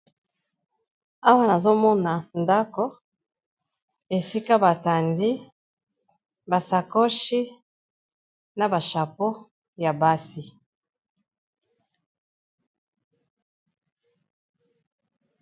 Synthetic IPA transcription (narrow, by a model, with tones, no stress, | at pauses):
a˦wa˦na˨zo˦mɔ˦na˨nda˦ko˦ | e˨si˦ka˦ba˨ta˨ndi˦ | ba˨sa˨ko˦ʃi˦ | na˨ba˨ʃa˨po˦ | ja˨ba˦si˦